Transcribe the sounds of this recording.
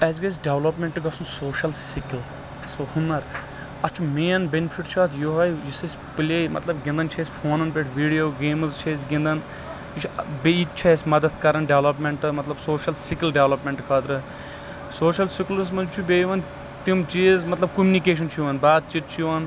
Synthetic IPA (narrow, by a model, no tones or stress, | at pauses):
ɛːzɡɐs̬ɖeʋlɐpmẽɳʈɨɡɐsunsoːʃɐlsikil | sohunːɐɾ | ɐt͡ʃʰumeːnbʲenfʰiʈt͡ʃʰaːt̪ʰjoːɦɐjjisɐsʲ | pleːmɐ̰t̪lɐbɡʲĩnd̪ɐnt͡ʃʰesʲfʰoːnɐnpʲeʈʰʋiːɖijoːɡeːmɨzt͡ʃʰes̬ɡĩnd̪ɐn | it͡ʃʰbeit̪̚t͡ʃʰɐsʲmɐd̪ɐt̪kɐɾɐnɖeʋlɐpmeɳʈɨmɐt̪lɐbsoːʃɐlsikilɖeʋlɐpmʲeɳʈkʰaːt̪ɾɨ | soːʃɐlsikls̬mɐt͡ʃʰubeːjʋɐn | t̪imt͡ʃiːzmɐt̪lɐb̚kumnikeːʃ̬ɐnt͡ʃʰiʋɐnbaːd̪̚t͡ʃit̪̚t͡ʃʰiʋɐn